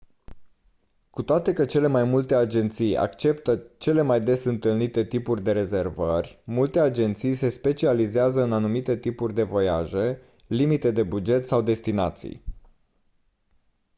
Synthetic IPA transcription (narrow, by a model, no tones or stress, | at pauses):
kut̪oat̪e̞kət͡ʃe̞le̞majmult̪e̞ad͡ʒe̞nt̪sija̰kt͡ʃe̞pt̪ət͡ʃe̞le̞majd̪e̞sɨnt̪ɨlnit̪e̞t̪ipurʲd̪e̞ɾe̞ze̞rvərʲmult̪e̞ad͡ʒe̞nt̪sijse̞spe̞t͡ʃializeazəɨnanumit̪e̞t̪ipurʲd̪e̞vo̞ja̰ʒe̞ | limit̪e̞d̪e̞bud͡ʒe̞t̪sawd̪e̞st̪ina̰t̪sḭj